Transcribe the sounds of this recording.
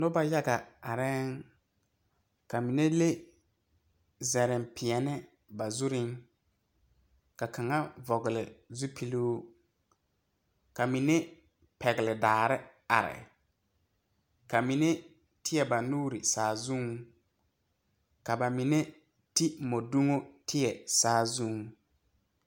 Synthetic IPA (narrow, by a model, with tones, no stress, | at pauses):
nʊ˦ba˦ja˦ɡa˨a˨ɾɛ˦ŋ | ka˨mi˨ne˦le˦ | zɛ˨ɾɪ˨mpɪ˨ɛ˨nɪ˦ | ba˨zu˦ɾɪ˦ŋ | ka˨ka˨ŋa˦vɔ˨ɡɪ˨lɪ̰˨zu˦pʰi˦lo˦ | ka˨mi˨ne˦ | pɛ˨ɡɪ˨lɪ˨daː˨ɾɪ˦ | a˨ɾɪ̰˨ | ka˨mi˨ne˦ | tɪ˦ɛ˨ba˨nuː˦ɾɪ˨saː˨zu˦ŋ | ka˨ba˨mi˨ne˦ | ti˦mo˨du˦ŋo˦tʰɪ˦ɛ˨saː˦zu˦˨ŋ